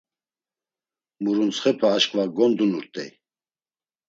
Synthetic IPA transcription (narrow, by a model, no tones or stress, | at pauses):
muɾunt͡sχɛpʰaːʃkʼvaɡɔnd̪unuɾt̪ʼɛ